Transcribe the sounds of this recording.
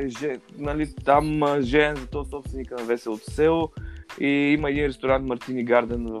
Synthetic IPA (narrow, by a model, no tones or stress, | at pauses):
ɛʒɛnɐlit̪amʒɛɛnzɐt̪ɔsɔpst̪vɛnikənɐvɛsɛot̪sɛlˠoiiməɛd̪inɾɛst̪oɾant̪mɐɾt̪iniɡaɾd̪ɛnvɐ